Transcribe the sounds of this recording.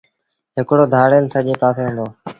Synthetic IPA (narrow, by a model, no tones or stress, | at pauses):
ɦɪkɽoːd̪ʱaːɽeːlsəʄeːpaːseːɦʊ̃nd̪oː